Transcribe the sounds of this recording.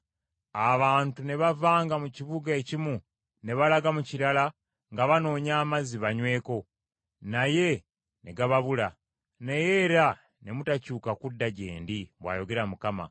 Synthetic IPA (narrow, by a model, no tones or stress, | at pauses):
aβaːntune̞βavaːŋɡamuciβuɡaecimu | ne̞βalaɡamuciɾala | ŋɡaβano̞ːɲaːmaziβaɲwe̞ːko̞ | naje̞ | ne̞ɡaβaβula | nejeːɾa | ne̞mutacuːkakudːaɟe̞̰ːndiβwa̰ːjo̞ɡe̞ɾamukama̰